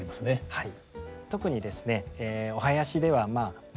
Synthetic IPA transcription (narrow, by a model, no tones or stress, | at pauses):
ɾimasɨne̞hai | t̪o̞kɯ̟ɲ̟id̪e̞sɨ̥ne̞eo̞ɦajaɕid̪e̞β̞amaː